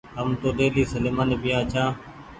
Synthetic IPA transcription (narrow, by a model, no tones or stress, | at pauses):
əmt̪oːd̪eːliːsəleːmaːneːbɪjãːt͡ʃʰãː